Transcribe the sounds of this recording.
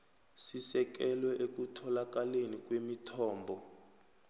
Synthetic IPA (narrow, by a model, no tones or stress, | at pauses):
sisɛk̬ɛlwɛʔek̬ʼutʰɔlak̬ʼalenik̬ʼwemitʰɔːmbʱɔ